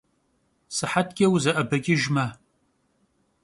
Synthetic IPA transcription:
sɨħatʰɡʲɐwzɐʔɐbɐɡʲɪʒmɐ

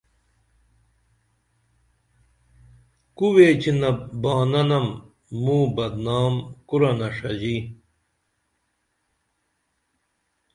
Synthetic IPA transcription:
kuweːt͡ɕinɐbaːnɐnɐmː | ũːbɐd̪naːmkuɾɐnɐʂɐd͡ʑi

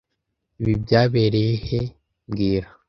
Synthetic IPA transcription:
iβibɟaːβeɾejehe | bɡiːɾa

